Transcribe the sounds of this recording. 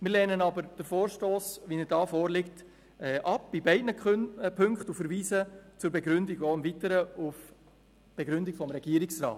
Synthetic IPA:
mɪɾlɛːnənɑbəɾd̥əfoːɾʃtoːsʋinəɾdɑːfoːɾlɪkt | ɛːʔɑp̚b̥ibɛɪdnəpʰɵŋkχtufəɾviːsət͡sʊːɾbɛɡɾʏndiɡoɪmvitəɾəuf | b̥ɛɡɾʏndiɡfɔmɾɛɡiəɾiksrɑ̰ːt

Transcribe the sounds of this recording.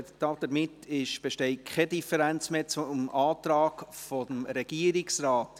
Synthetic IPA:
tɑːd̪̥əɾmɪtʰɪʃb̥eʃtɛɪkʰɛdifəɾænt͡smeːt͡sʊmɑːt̪ɾɑːkfo̥əmɾɛɡ̥iːəɾɪksrɑːt

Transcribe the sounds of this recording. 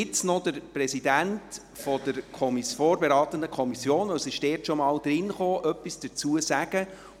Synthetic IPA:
ɪt͡snɔd̥əɾprɛsidænt | fɔd̥əɾkʰɔmisfoːɾbɛɾɑːt̪əndəkʰɔmisjoːnɔsɪʃd̥ɛːrtʃɔmɑːld̪ɾɪnχoːʔœpːisd̥ət͡suəsæɡ̥ə

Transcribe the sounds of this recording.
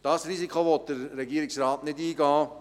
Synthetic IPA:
d̥ɑsriːsikʰχoʋot̚d̥əɾːeɡiːɾɪksrɑːtnɪdiːɡɑː

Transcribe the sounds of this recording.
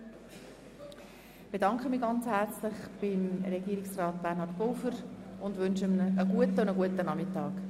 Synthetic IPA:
b̥edɑŋkχəmiːɡɑnt͡shært͡slɪχb̥ɪmɾɛɡiəɾɪksrɑːt̚b̥ɛɾnɦɑɾtb̥owfəɾʊndʋʏnʃəmnəːɡuətəʊndəɡuətənɑmɪtɑːk

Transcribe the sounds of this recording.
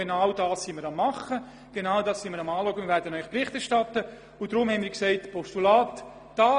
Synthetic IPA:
enawd̥ɑːssiməɾɑmːɑχə | ɡ̥enaʊdɑːssiməɾɑmɑːlɔːɡənvɛdənœʏχprɪχtɛɾʃtɑtə | ʊd̥ɾʊmhɛnmiːksɛɪtpɔstulaːt | d̥ɑː

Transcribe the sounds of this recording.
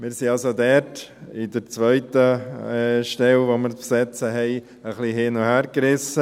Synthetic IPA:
mɪːɾsiɑlsod̪ɛɾtɪdəɾt͡sʋœʏtə | ʃtɛlʋoməɾpsɛt͡səɦɛɪ | əχliɦɪːnɔhæːɾkɾɪsə

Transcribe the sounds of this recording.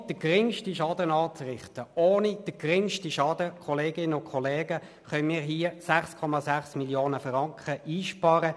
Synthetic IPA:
d̥əɡʁɪŋʃtiʃɑːd̪ənɑːt͡srɪχt̪əoːnid̥əɡ̥ʁɪŋʃtiʃɑːdəkʰɔleːɡɪnəʊkʰɔleːɡə | χœnmiːʁɦiːəsæχskʰɔmɑsæχsmiljoːnəfʁɑŋkχəiːʃpɑːɾə

